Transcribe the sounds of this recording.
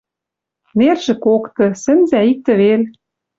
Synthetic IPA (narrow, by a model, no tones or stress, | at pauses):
nerʒɘ̆kokt̪ɤ̆sɘ̆nzæik̚t̪ɘ̆βel